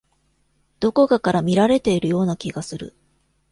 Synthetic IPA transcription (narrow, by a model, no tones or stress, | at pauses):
d̪̥o̞ko̞kakaɾamʲiɾaɾe̞t̪e̞iɾɯ̟jo̞ːnakʲiɡasɨɾɯ̰